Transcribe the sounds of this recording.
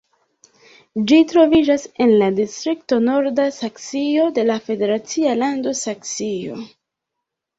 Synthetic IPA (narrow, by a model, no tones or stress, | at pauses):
d͡ʒitɾo̞vid͡ʒase̞nladistɾikto̞no̞ɾdasaksio̞de̞lafe̞de̞ɾat͡sialando̞saksio̞̰